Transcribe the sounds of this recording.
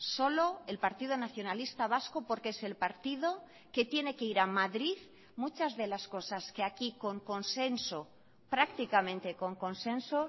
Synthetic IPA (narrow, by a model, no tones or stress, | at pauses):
solo̞e̞lpaɾt̪ið̞onaθjo̞nalist̪aβ̞askopo̞ɾkese̞lpaɾt̪ið̞o̞ | ke̞t̪je̞ne̞keiɾamaðɾið | mut͡ʃazðe̞lasko̞saske̞akiko̞ŋko̞nse̞nso | pɾakt̪ikamẽ̞nt̪e̞ko̞ŋko̞nsẽ̞nso